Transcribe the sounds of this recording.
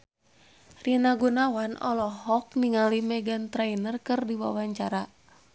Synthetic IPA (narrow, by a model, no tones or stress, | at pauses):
rinaɡunawanɔ̰lɔhɔk̚niŋalimɛɡant̪ɾainərkɨrdiwa̰waɲt͡ʃaɾa